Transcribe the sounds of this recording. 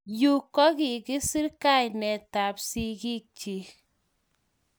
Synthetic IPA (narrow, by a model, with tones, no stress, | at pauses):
ju˦kːɔ˦ki˨kɪ˦si˦ɾka˦˨jnɛ˨ta˨psi˦ki˦k̚t͡ʃi˨˦